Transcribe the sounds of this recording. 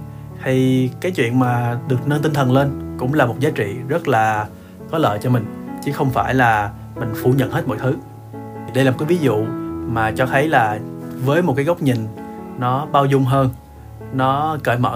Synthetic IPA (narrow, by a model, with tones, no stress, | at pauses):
t̪ʰi˨˩kaː˨˦jt͡ɕwḭ˧˨ənmaː˨˩ɗɨ˨˩ək̚nə˧nt̪i˧ŋt̪ʰə˨˩nle˧nkʊ̰˧˥ŋ͡mlaː˨˩mo˨˩t̚zaː˨˦t͡ɕḭ˧˨zə˦˥t̚laː˨˩ | kɔ˨˦lə̰ː˧˨jt͡ɕɔ˧mï˨˩ŋ̟t͡ɕɨ˨˦xə˧wŋ͡mfaː˧˩jlaː˨˩ | mï˨˩ŋ̟fṵ˧˩ɲə̰˧˨nhe˦˥t̚mo̰˧˨jt̪ʰɨ˨˦ | i˨˩ɗə˧jlaː˨˩o˨˩kːaː˨˦vi˨˦zṵ˧˨maː˨˩t͡ɕɔ˧t̪ʰə˨˦jlaː˨˩vəː˨˦jmo˨˩t̚kaː˨˦jɣə˦˥k͡p̚ɲï˨˩ŋ̟nɔ˨˦ɓaː˧wzʊ˧ŋ͡mɦəː˧n | nɔ˨˦kəː˧˩jmə̰ː˧˨